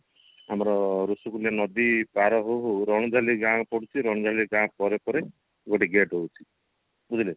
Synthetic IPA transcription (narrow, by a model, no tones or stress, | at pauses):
amɾɔɾusukulianɔd̪ipaɾɔɦoɦoɾɔɽ̃ɔd͡ʒaliɡãpɔɽ̤ut͡ʃʰiɾɔɽ̃ɔd͡ʒaliɡãpɔɾepɔɾe | ɡoʈiɡeʈɦowt͡ʃʰi̥ | bud̪ile